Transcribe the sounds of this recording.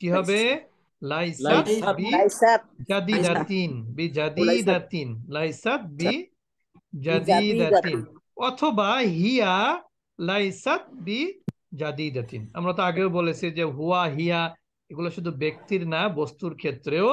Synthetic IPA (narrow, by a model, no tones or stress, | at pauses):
kiɦɔbe | lajsat̪bi | d͡ʒad̪id̪at̪inbid͡ʑad̪id̪at̪inlajsat̪̚bi | d͡ʒad̪id̪at̪in | ɔt̪ʰobaɦija | lajsat̪̚bi | d͡ʑad̪id̪at̪ina̰mɾat̪oaɡewbolet͡ɕʰid͡ʑeɦuaɦija | eɡuloʃud̪ʱubek̚t̪iɾnabɔst̪uɾkʰet̪ːɾeo